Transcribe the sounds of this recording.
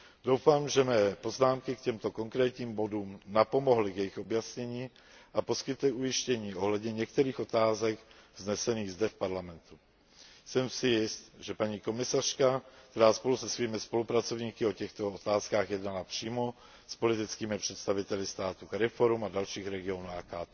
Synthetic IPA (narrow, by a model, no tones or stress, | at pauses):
dowfaːmʒɛmɛːpo̞znaːmkɪkcɛmt̪o̞ko̞ŋkɾɛːt̪ɲiːmbo̞duːmnapo̞mo̞ɦlɪkjɛjɪxobjasɲɛɲiː | ʔapo̞skɪt̪lɪʔujɪʃcɛɲiːʔoɦlɛd̪ɲɛɲɛkt̪ɛɾiːxo̞t̪aːzɛɡvznɛsɛniːɣzdɛfpaɾlamɛnt̪u | sɛmsɪjɪst̪ʒɛpaɲiːko̞mɪsar̝̥kakt̪ɛɾaːspo̞lusɛsviːmɪspo̞lupɾat͡so̞vɲiːkɪo̞cɛxt̪oot̪aːskaːxjɛdnalapr̝̥iːmo | spo̞lɪt̪ɪt͡skiːmɪpr̝̥ɛt̪st̪avɪt̪ɛlɪst̪aːt̪ukɾɛfoɾumadalʃiːxɾɛɡɪonuːaːkaːt̪ɛ